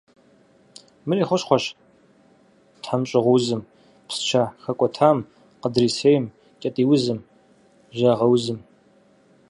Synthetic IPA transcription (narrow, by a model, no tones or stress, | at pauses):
mɨriːχʷʊʃχʷɔɕ | tʰħamɕʼɪʁʷuzɨm | pst͡ʃʰaxɐkʷʼɔtʰaːm | qədriːsejm | t͡ʃʼɐtʼiːwʊzɨm | ʒɐʁɐwzɨm